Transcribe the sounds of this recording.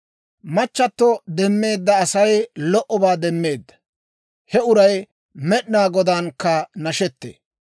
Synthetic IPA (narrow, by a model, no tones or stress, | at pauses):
mɐt͡ʃːɐt̪ːɔd̪ɛmːe̞ːd̪ːɐːsɐjlɔʔɔbaːd̪ɛmːe̞ːd̪ːɐ̥ | hɛʊɾɐj | mɛɗnaːɡɔd̪aːnkːɐnɐʃɛt̪ːḛː